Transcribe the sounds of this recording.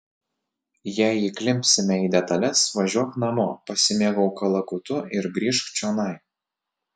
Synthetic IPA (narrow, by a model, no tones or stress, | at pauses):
jæˑɪiklʲɪmʲpʲsʲɪmʲɛiːd̪ʲɛt̪ɐlʲɛsʋɐʒʲuɔknɐmo̰ːpɐsʲɪmʲeːɡɐʊkɐlˠɐkʊt̪ʊɪɾɡɾʲiːʃkt͡ʃʲoːnɐɪ